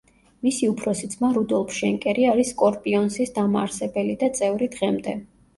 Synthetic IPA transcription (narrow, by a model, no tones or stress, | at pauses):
misiupʰɾɔsit̪sʰmaɾud̪ɔlˠpʰʃɛŋkʼɛɾiaɾiskʼɔɾpʼiɔnsisd̪amaaɾsɛbɛlid̪at̪sʼɛvɾid̪ʁɛmd̪ɛ̰